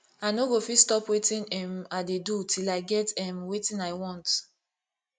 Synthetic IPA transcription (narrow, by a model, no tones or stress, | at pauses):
aɪnoɡofistɔpwetĩnɛ̃madedutʰilaɪɡɛtɛmwetĩnaɪwɔ̃nt